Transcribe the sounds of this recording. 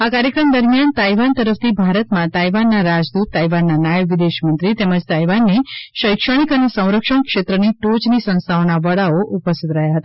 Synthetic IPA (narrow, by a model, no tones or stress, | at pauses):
akaɾjəkɾəmd̪əɾmijant̪aiʋant̪əɾəft̪ʰibʱaɾət̪mãt̪ajʋanːaɾad͡ʒd̪ut̪ːajʋanːanajəʋʋid̪eʃmənt̪ɾit̪eməd͡ʒt̪aiʋanːeʃəjkʃəɽ̃ikənesə̃w̃ɾəkʂəɳkʃet̪ɾəniʈod͡ʒnisə̃st̪ʰaonaʋəɽaoʔupəst̪it̪ɾəɦjaɦət̪aa